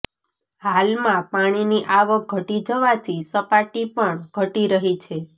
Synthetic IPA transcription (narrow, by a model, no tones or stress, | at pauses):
halmãpaɽ̃iniʔaʋək̚ɡʱəʈid͡ʒəʋat̪ʰisəpaʈipəɳɡʱəʈiɾəɦit͡ʃʰe